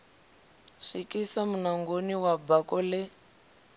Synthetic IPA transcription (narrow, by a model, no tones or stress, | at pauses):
ʂikisamunaŋɡoniwabakɔlɛ